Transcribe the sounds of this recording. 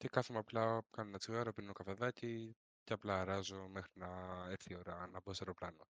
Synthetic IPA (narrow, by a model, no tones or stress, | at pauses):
cekɐθemeɐplɐkɐnoenɐt͡siɣɐɾopinokɐfeðɐci | ceɐplɐːɾɐzomexɾinɐeɾθio̞ɾɐnɐboseɾoplɐno